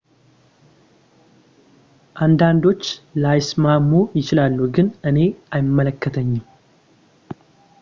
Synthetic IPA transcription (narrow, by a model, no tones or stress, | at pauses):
ʔand̪and̪o̞t͡ʃːlajsmamːujɪt͡ʃɪlalːuɡɨnɨne̞ʔajɪmːələkːət̪ʰəɲːɪm